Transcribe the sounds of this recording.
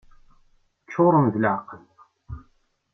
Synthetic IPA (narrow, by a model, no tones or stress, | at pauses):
t͡ʃːoɾˤəmðəlʕaqəl